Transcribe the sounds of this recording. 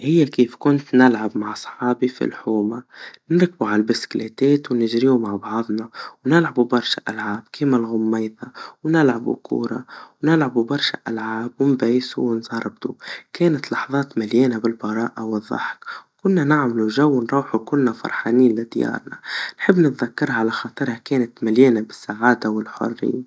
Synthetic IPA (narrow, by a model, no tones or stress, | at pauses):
hɪjːakiːfkʊnt̪nɪlʕabmaʕsˤħɑːbifḭlħuːmanɪɾk̚buʕalbɪskleːt̪eːt̪wnɪʒɾiːumaʕbɑʕðˤnɑwnɪlʕabubɑɾˤʃaʔalʕaːb̚kʰiːmalɣʊmːajðawnɪlʕabṵkʰṵːɾˤɑ̰wnɪlʕabubɑɾˤʃaʔalʕaaːbwɪmbajsṵwɪnzˤɑɾˤb̚t̪ṵkeːnat̪lɑħðˤɑːt̪maljeːnabɪlbɑɾˤɑ̰ːʔawɪðˤːɑ̰ħkkʊnːanɪʕmaluʒawːnɾˤuːħukʊlːafɑ̰ɾˤħaːniːnlɪd̪jɑ̰ːɾˤnɑnħɪbːnɪt̪ðakːɑɾˤhaʕalaxɑt̪ˤɨɾˤhakeːnat̪maljeːnabɪsːaʕaːd̪awɪlħʊ̰rːḭːn